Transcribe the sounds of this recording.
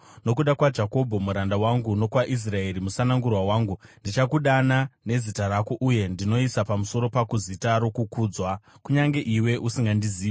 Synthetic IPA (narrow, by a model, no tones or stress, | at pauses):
no̞kuɗakwad͡ʒako̞bʱo̞muɾandawaŋɡuno̞kwaʔis̬rae̞ɾimusanaŋɡurwawaːŋɡundit͡ʃakuɗanane̞zitarakoʔuje̞ndino̞isapamuso̞ɾo̞pakuzitaɾo̞kukuːd͡zwa | kuɲaŋɡe̞ʔiwe̞ʔusiŋɡandiziːe